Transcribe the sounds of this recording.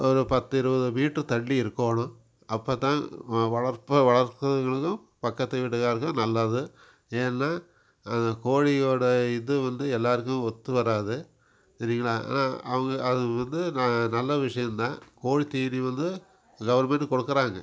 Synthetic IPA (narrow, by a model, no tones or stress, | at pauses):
ɔɾɯpɐt̪ːɪɾɯbɐðɯʋiːʈːɯt̪ɐɭːiɪɾɯkːoːɳʊ̃ | ɐpːoːt̪ãːʋɐɭɐɾpɐʋɐɭɐɾt̪ɐðŋɡɐɭɯkːɯ̃ | pɐkːɐt̪ːɯʋiʈːɯkaːɾɯkːɯ̃nɐlːaːðɯ | eːnɛnːaː | ɐnd̪ɐkoːɻijoːɽɐɪðɯʋɐnd̪ɯɛlːaːɾɯk̬ːʊ̃ɔt̪ːɯʋɐɾaːðɯ | niːŋɡɐɭaːa̰ːna̰ːɐʋɐŋɡɐːðɯʋɐnd̪ɯnɐlːɐʋɪʂɐjɐnt̪ãːkoːɻit̪iːniʋɐnd̪ɯ | ɡɐʋɐɾmɛɳɖɯkɔɽɯkːɐɾaːŋɡɐ